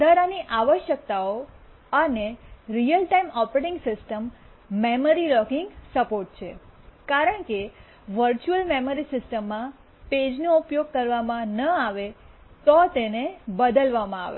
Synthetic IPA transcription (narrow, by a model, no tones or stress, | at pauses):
d̪ʱəɾaniʔaʋəʃjək̚t̪ao | əneɾijəlʈaimɔpɾeʈɪŋɡsɪsʈəmː | eməɾilɔkɪ̃ŋɡsəpoɾʈ̚t͡ʃʰekaɾəɳke | ʋəɾt͡ʃuəlmeməɾisɪsʈəmːã | ped͡ʒnoupjoɡ̚kəɾʋamãnəaʋe | t̪ɔt̪enebəd̪əlʋamãa̰ʋḛ